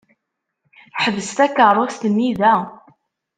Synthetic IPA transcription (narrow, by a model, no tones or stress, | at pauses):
ħəvəst̪ækərˤːost̪ənːiðæ